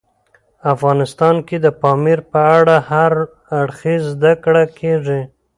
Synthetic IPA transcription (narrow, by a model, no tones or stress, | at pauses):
afɣɑnɪst̪ɑnked̪əpɑmiɾpəaɽahaɾ | aɽxizːd̪akɽakʰeʐi